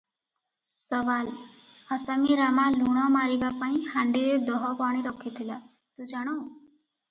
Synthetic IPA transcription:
sʌʋalhʌsamiɾamaluɽ̃ʌmaɾiɡapaĩhaɳɖiled̪ɔɦɔpaɽ̃eɾʌkʰːet̪ʰila | t̪ud͡ʒaɽ̃ʌw

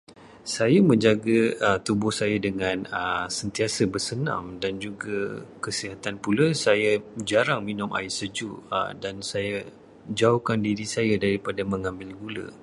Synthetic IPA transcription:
sajamə̃ɲd͡ʒaɡat̪ubʊhsajadəŋãnəsənt̪iasəbərsənã̰mdand͡ʒuɡakəsiɦat̪anpulasajad͡ʒaɾaŋminʊ̃mʔa̰isəd͡ʒuə̰dansaja | d͡ʒaukandiɾisajadaɾipadamə̃ŋãmbɪlɡulə̰

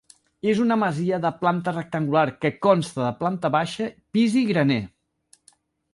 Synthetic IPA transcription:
ezunəməziəðəplant̪ərək̚t̪əŋɡulaɾkəkɔnst̪əðəplant̪əβaʃəpiziɣɾəne

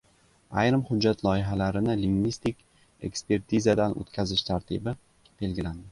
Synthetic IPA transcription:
ajɾɪmhʊd͡ʒːat̪ʰlˠɒjɪɦalaɾɪnɪlɪŋvist̪ikʲ | e̞̰kspe̞ɾt̪ʰizad̪anʔo̰t̪kʲʰazɪʃt̪ʰaɾt̪ʰɪbɪ | b̥e̞lɡʲɪland̪ɪ

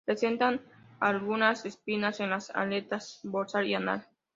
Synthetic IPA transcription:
pɾesent̪an | alɣunasespinasenlasa̰let̪asboɾsaɾiana̰ɾ

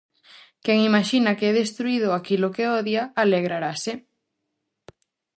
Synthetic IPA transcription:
kɛŋimaʃinɐkeɛðest̪ɾuið̞ʊakilokeɔðjaaleɣɾaɾase

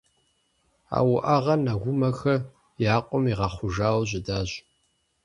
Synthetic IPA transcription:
a̰ːwʊʔaʁɐnɐɣʷʊmɐxɐ | jaːqʷʼʊmiʁɑχʷʊʒaːwʑɪdaːʑ

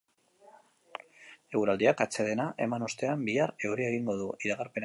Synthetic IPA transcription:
e̞wɾald̪iakat͡se̞ð̞e̞naʔe̞manost̪e̞ambiare̞wɾie̞ɣ̞iŋɡo̞ð̞uiɾaɣaɾpe̞n

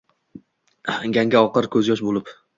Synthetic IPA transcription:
ɡʲaŋɡʲaɒqɨɾkʲʰɵzjɒʃ̬bolɪp

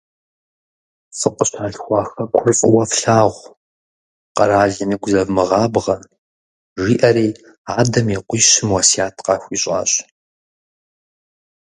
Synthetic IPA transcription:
fɨqʷəɕaːɬxʷɑːxɐkʷʰʊrt͡sʼɨ̰wɐfɬaːʁʷ | qɐɾaːɮɐnɨɡʷzɐvmɨʁɑːbʁɐ | ʒiːʔɐɾiː | aːdɐmiqʷiːʃɪmwɐsjaːtʰqɑxʷiːɕʼa̰ːɕʼ

